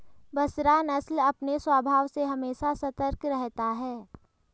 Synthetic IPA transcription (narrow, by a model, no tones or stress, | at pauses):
bɐsɾanɐslɐpneswaːbʱaːʋseɦɐmeːʃasɐt̪əɾkɾɛɦt̪aɦɛː